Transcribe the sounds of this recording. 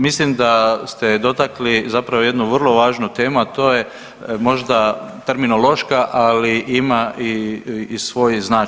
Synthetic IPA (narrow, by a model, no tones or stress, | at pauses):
mislimd̪ast̪ed̪o̞t̪aklizapɾaʋo̞je̞d̪nuʋərlˠo̞ʋaːʒnut̪e̞ːmuat̪o̞ːje | mo̞ʒd̪a | t̪eɾminolo̞ʃkaʔaliʔimaʔi | sʋo̞ːjznaː